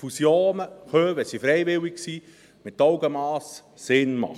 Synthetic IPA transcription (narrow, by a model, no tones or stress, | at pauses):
fusjoːnəhøːwəsifɾɛɪʋɪwikksiː | mɪtːɔʊɡəmɑːs | sɪnmɑ̰χ